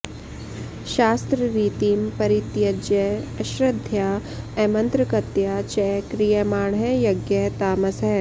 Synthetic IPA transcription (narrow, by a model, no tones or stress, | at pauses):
ʃaːst̪ɾɐɾiːt̪iːmpɐɾit̪jɐd͡ʒjɐɐʃɾɐd̪ʱjaː | ɛːmɐnt̪ɾɐkɐt̪jaːt͡ʃɛkɾijɐmaːɳɦɛjɐɡjɐt̪aːmɐsɐ